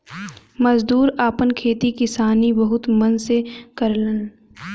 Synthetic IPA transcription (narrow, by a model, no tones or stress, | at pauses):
mɐzd̪uːɾaːpənkʰeːt̪ikɪsaːnibɐɦʊt̪mɐnsekɐɾlən